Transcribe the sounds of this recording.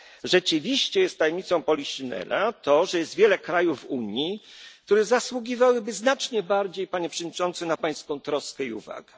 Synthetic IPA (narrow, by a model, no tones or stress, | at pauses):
ʐɛt͡ʂɘvʲiɕt͡ɕɛjɛst̪ːajɛmɲit̪sɔ̃w̃pɔlʲiɕinɛ̰lʔat̪ɔʐɛjɛst̪vʲjɛlɛkɾajuvuɲjik̚t̪uɾɛzaswuɡʲivawɘbɘznat͡ʂɲɛbaɾd͡ʑejpaɲɛpʂɛvd̪ɲit͡ʂɔnt̪sɘnapaj̃skɔ̃w̃t̪ɾɔskɛiṵva̰ɡɛ